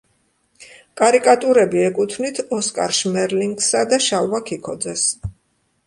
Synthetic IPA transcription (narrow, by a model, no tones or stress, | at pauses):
kʼaɾikʼat̪ʼuɾɛbiɛkʼut̪ʰvnit̪ʰɔskʼa̰ɾʃmɛɾliŋɡsad̪aʃavakʰikʰɔd̪zɛs